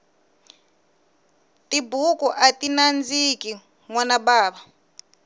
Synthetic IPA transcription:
tibukɔʔatinand͡ziki | ŋwanaɓaːɓa

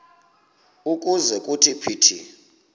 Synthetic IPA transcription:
ukʼuzɛkʼutʰipʰiːtʰḭ

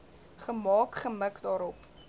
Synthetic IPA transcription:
χəmɑːkχəməkdɑːɾɔp

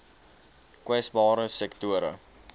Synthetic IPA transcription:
kwɛsbɑːɾəsɛktuəɾə̰

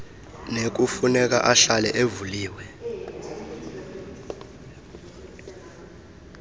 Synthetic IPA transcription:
nek̬ufunɛk̬a̰ʔaɬalɛʔevuliːwɛ

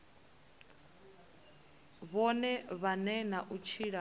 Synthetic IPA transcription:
βɔnɛβanɛnaʔut͡ʃʰiɺa

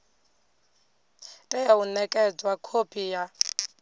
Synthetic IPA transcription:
tʼɛjaunɛkʼɛd͡zwakʰopʰʼija

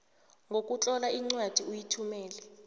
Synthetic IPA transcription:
ŋʱok̬ʼut͡ɬʼɔlaiŋ͡ǀwad̥ʱiujitʰumɛːlɛ

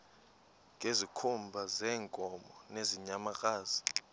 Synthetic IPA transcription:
ŋʱezikʰumbʱazɛːŋkʼɔmɔneziɲamak̬ʼaːzi̥

